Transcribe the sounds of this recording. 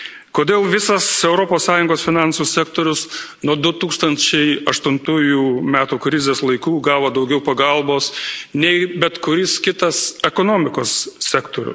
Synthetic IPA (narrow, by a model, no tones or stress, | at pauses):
koːd̪ʲeːlˠʋʲɪsɐsɛʊɾoːpoːssɑːjʊŋɡoːsfʲɪnɑnsuːsʲɛækt̪oːɾʲʊsnuɔd̪ʊt̪uːkst̪ɐnʲt͡ʃʲɛɪɐʃt̪ʊnt̪uːjuːmʲæːt̪uːkɾʲɪzʲeːslˠɐɪkuːɡɑːʋoːd̪ɐʊɡʲɛʊpɐɡɐlˠboːsnʲɛɪbʲɛt̪kʊɾʲɪskʲɪt̪ɐsɛkoːnoːmʲɪkoːssʲækt̪oːɾʲʊ̰